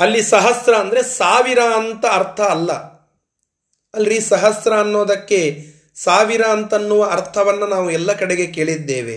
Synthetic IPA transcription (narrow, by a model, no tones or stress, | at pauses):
ɐlːisɐɦɐsɾɐːnd̪ɐɾesaːʋiɾant̪ɐːɾt̪ʰɐːlːɐ | ɐlːɾisɐɦɐsɾɐːnːo̞ːd̪ɐkːe̞ | saːʋiɾaːnt̪ɐnːuʋɐɐɾt̪ʰɐʋɐnːɐnaːʋuɛlːɐkɐɽeɡe̞ke̞ːɭid̪ːe̞ːʋe̞̰